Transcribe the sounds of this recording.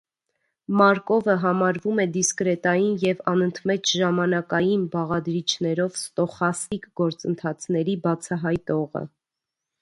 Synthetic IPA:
mɑɾkɔvəɦɑmɑɾvumɛd̪iskɾɛt̪ɑjinjɛvɑnənt̪ʰmɛt͡ʃʒɑmɑnɑkɑjinbɑʁɑd̪ɾit͡ʃʰnɛɾɔvst̪ɔχɑsikɡɔɾt͡sənt̪ʰɑt͡sʰn̪ɛɾibɑt͡sʰɑɦɑjt̪ɔʁə̰

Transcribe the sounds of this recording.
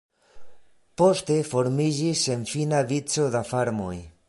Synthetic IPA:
po̞ste̞fo̞ɾmid͡ʒise̞nfinavit͡so̞dafaɾmo̞̰j

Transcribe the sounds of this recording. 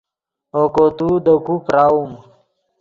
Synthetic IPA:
okot̪ud̪əkupɾaːum

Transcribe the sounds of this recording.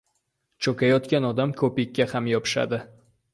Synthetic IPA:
t͡ʃʰokʰʲajɒt̪kʲanɒd̪amkʰɵpɪkʲːahamjɒpʰɪ̥ʃa̰d̪ɪ

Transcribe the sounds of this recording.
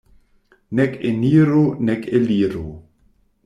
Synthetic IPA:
nɛkeniːɾonɛkeliːɾo

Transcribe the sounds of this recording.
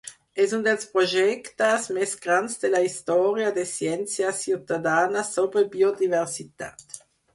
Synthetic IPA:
ɛsund̪elspɾoʒɛkt̪asmɛsɡɾansd̪elaist̪ɔɾjad̪esjɛnt͡sjasjut̪ad̪aːnasobɾebiod̪ivɛʁsit̪at̪

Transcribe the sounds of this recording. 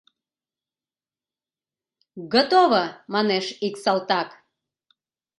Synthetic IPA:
ɣot̪oβəmɑneʃiksɑlt̪ɑk

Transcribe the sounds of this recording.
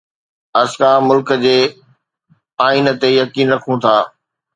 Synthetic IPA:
ɐskãːmʊlkəd͡ʑeː | aːint̪ejɐkiːnɾɐkʰũt̪ʰaː

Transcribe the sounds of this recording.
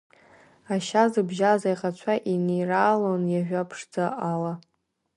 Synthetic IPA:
aʃazɨbʒazajʁat͡ɕʷʰaʔinejraːlonjaʒʷᶣapʰʂd͡zaʔala

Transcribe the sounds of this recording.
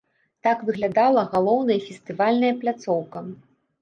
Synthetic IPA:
t̪akvɨɣlʲad̪alˠɐɣalˠɔwnɐjɐfʲest̪ɨvalʲnɐjɐplʲat̪sɔwkɐ

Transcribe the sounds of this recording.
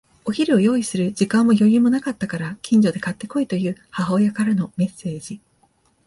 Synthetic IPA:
o̞çiɾʲio̞jo̞ːisɨɾɯ̟d͡ʑikãmːo̞jo̞jɯ̟ːmo̞nakat̪ːakaɾakʲĩɲ̟d͡ʑo̞d̪e̞kat̪ːe̞ko̞it̪o̞jɯ̟ːhaɦaojakaɾano̞me̞sːe̞ːd͡ʑi

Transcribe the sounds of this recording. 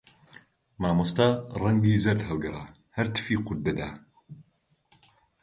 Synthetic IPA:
maːmost̪arɐŋɡiːzɐɾd̪hɐwɡɨrɐ | hɐɾt̪ʰɨ̥fiːqʊd̪ːɐd̪aː

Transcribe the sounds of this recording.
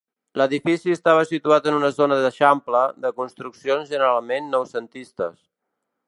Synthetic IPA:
ləðifisiəst̪aβ̞əsit̪uat̪ənunəzonəðəʃampləðəkunst̪ɾuksionzʒənəɾalˠmenːɔwsənt̪ist̪ə̰s

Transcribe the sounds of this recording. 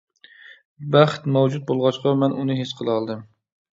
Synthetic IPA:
bæχt̪mɛwd͡ʒut̪̚bolˠʁɑt͡ʃqʰɑmɛnʔunɨɦesqʰəlˠɑlˠd̪ɨm

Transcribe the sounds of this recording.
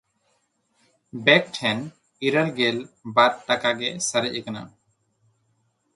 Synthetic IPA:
bɛk̚ʈʰɛn | iɾəɾɡɛlbaɾ̚ʈakaɡɛsəɾəʔəkana̰

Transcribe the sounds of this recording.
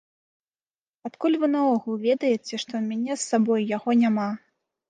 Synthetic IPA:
at̪kulʲvɨnavɔɣulˠvʲɛd̪ɐjɛt͡sʲɛʂt̪ɔmʲanʲɛsːabɔjjaɣɔnʲama

